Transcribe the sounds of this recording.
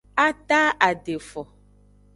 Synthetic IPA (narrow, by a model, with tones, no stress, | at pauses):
a˦ta˦a˨de˨fɔ˨